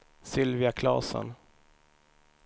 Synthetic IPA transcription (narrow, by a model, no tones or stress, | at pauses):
sʏlvɪakʰlɑ̰ːsə̰n